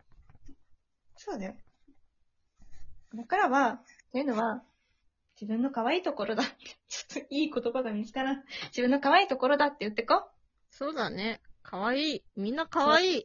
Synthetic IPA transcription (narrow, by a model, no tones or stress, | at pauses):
so̞ːd̪ajo | d̪akaɾaβat̪ːe̞jɯ̟no̞βa | d͡ʑibɯ̟̃nːo̞kaβaiːt̪o̞ko̞ɾo̞d̪at̪ʰːe̥t͡ɕo̥t̪ːoiːko̞t̪o̞baɡamʲizi̥t̪aɾad͡ʑibɯ̟nːo̞kaβaiːt̪o̞koɾo̞d̪at̪ːe̞jɯ̟t̪ːe̞ko | so̞ːd̪ane̞kʰaβaiːmʲĩnːakaβaiː